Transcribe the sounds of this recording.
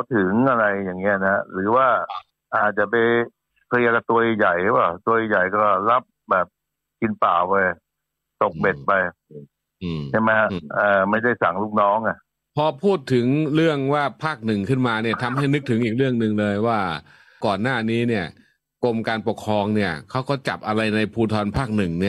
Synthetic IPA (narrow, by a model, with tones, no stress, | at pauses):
t̪ʰɯ˨˩˦ŋʔa˧ɾa˧jːaː˨˩ŋːi˦˥ɐ˧na˦ha˦˥ʔɾɯː˨˩˦waː˥˩ | ʔaː˨˩t̪̚t͡ɕa˨˩ʔpa˧j | kʰa˧ka˧˩t̪u˧ə˧ja˨˩jpa˧˩t̪u˧ə˧ja˨˩jkɔː˥˩la˦˥p̚bɛː˨˩p̚ | ki˧npaː˨˩wpa˧j | t̪o˨˩k̚be˨˩t̪̚pa˧j | ɯː˩a˥˩jma˦˥ha˦˥aː˨˩ma˥˩jda˥˩jsa˨˩˦ŋluː˥˩k̚nɔː˦˥ŋa˧˩ʔ | pʰɔː˧pʰuː˥˩t̪ʰːɯ˩˦ŋɾɯ˥˩əŋwaː˥˩pʰaː˥˩k̚nɯ˨˩ŋkʰɯ˥˩nmaː˧ni˥˩ɐt̪ʰa˧mɦa˥˩jnɯ˦˥k̚t̪ʰɯ˩˦ŋʔiː˨˩k̚ɾɯ˥˩əŋnɯ˨˩ŋlɤː˧jwaː˥˩ | kɔː˨˩nːaː˥˩niː˦˥ni˥˩ə | ko˧mkaː˧npo˨˩kʰɾɔː˧ŋni˥˩ɐkʰa˦˥wkɔː˥˩t͡ɕa˨˩p̚ʔa˧ɾa˧jna˧jpʰuː˧t̪ʰɔː˧npʰaː˥˩k̚nɯ˨˩ŋni˥˩ɐ